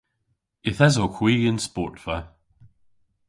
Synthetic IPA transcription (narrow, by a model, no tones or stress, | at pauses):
ɪθɛzokʰw̥iːə̃nspɔ̰ɹtfə